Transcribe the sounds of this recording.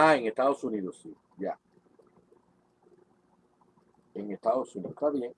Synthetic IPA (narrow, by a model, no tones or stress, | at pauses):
aeŋest̪aðosuniðosi | ʝa | eŋest̪aðosuniot̪aβjeŋ